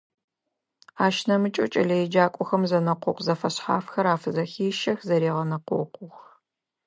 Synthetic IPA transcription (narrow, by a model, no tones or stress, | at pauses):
aːʃnɐmɨt͡ʃʼɐ̰t͡ʃʼɐ̰ɮɐjɛd͡ʒaːkʷʼɔxɐmzɐnɐqʷʊ̰qʷzɐfɐɕħa̰ːfxɐɾaːfɨzɐxiːʃɐxzɐɾeːʁɐnɐqʷʊ̰qʷʊx